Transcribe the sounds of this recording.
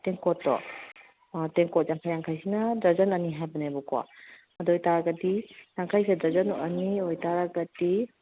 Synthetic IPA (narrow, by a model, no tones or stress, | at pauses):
teŋkɔtːɔ̰ | teŋkɔt̚zaŋkʰajaŋkʰajsinadazɐnɐniɦajbɐnabɔkɔwa̰ | ɐdɔjtaɾaɡadijaŋkʰajsadazɐnɔʔɐniɔjtaɾaɡɐdi